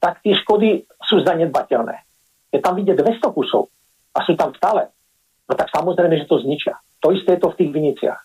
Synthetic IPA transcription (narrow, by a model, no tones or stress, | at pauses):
t̪akt̪ɪɛʃkɔd̪i | suːzd̪aɲɛd̪̚bacɛlnɛ̰ː | jɛt̪amʋiɟɛd̪ʋɛst̪ɔkusɔ̰ʊ | asuːt̪amft̪alɛ | nɔt̪aksamɔzɾɛɪmɛʒɛt̪ɔzɲit͡ʃɪa̰ | t̪ɔist̪ɛːjɛt̪ɔft̪iːɣʋiɲit͡sɪa̰x